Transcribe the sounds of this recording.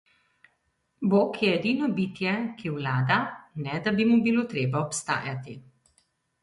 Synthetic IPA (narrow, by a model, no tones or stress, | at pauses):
boːkjɛːd̪iːnɔbiːt̪jɛkiwlaːd̪anɛd̪abimubilot̪ɾeːbaɔpst̪a̰ːjat̪i